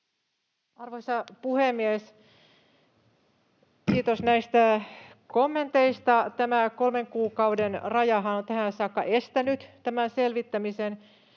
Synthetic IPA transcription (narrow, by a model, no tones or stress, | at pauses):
ɑrʋosɑpuhemːies | kiːt̪osnæist̪ækomːent̪eist̪ɑt̪æmæko̞lmeŋkuːkɑuwdenrɑjɑɦɑnont̪æhæsɑːkːɑʔest̪ænyt̪t̪æmænselʋit̪ːæmisen